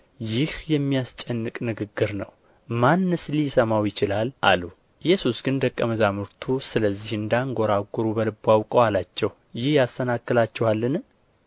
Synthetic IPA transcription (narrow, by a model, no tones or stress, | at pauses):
jɪhjɛmːijast͡ʃʼɛnːɨkʼnɨɡɨɡːɨɾnəw | manːɨslisəmawjɪt͡ʃɪlalʔa̰lu | ɪjːɛsusɡɨnd̪əkʼːəməzamɨɾt̪ʰusɨləzːihɨnd̪aŋɡo̞ɾaɡuɾubəlɨbːawkʼəwalat͡ʃːɛw | jɪhjast̪ənakːɨlat͡ʃːɛwalːɨn